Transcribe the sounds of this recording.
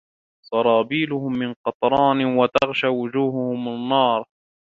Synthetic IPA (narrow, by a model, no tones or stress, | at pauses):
sˤɑɾˤɑːbiːlʊhʊmːɪnqɑt̪ˤɾˤɑːnɪwat̪ɑɣʃaːwʊd͡ʒuːhʊhʊmanːɑːɾˤ